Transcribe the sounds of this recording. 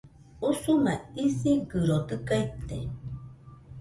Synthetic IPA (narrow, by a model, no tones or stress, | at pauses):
usumaisiɡɨɾot̪ɨkajt̪ːḛ